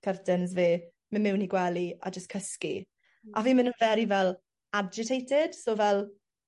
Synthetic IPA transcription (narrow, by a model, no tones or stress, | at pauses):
kʰərtʰənzveː | mənmɪwniɡwɛlia̰d͡ʒəstkʰəskḭ | aviːmənunvɛɾivɛlˠ | ad͡ʒɪtʰejtʰɪd̥soːvɛlˠ